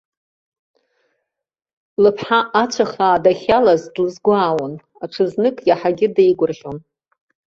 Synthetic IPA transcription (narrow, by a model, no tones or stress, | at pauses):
lɨpʰħaʔat͡ɕʷʰaχaːdaχʲalazdlɨzɡʷaːwan | aʈ͡ʂʰɨznɨkʼjaħaɡʲɪdajɡʷʊrʒʲon